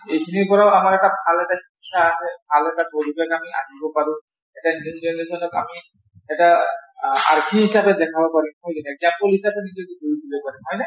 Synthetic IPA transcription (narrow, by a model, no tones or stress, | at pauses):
ejkʰiniɹpɔɹaʊamaɹɛtabʱalɛtakisʰaːɦɛbʱalɛtaboɹibakamia̰nibɔpaɹʊ̃ | ɛtanidɛnezɔnɔka̰mi | ɛta | a̰ɹkʰiɦisabɛdɛkʰabɔpaɹimɦɔjkɛnɛɡzampɔlɦisapɛnizɔtuɡuɹidibɔpaɹimɦɔjna